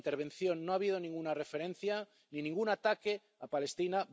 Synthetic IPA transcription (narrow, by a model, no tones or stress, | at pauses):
nt̪e̞ɾβ̞ẽ̞nθjo̞nːoaβið̞o̞nĩŋɡunare̞fe̞ɾẽ̞n̟θja | ninĩŋɡunat̪ake | apale̞st̪ina